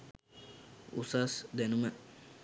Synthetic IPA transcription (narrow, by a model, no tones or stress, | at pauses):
ṵsasd̪ænumə